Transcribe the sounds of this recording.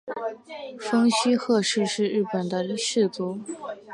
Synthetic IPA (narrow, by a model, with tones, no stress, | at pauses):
fɤ˥ŋɕy˥xɤ˥˧ʂɻ̩˥˧ʂɻ̩˥˧ɻɻ̩˥˩pə˨˩nd̪ə˦ʂɻ̩˥˩t͡su˧˥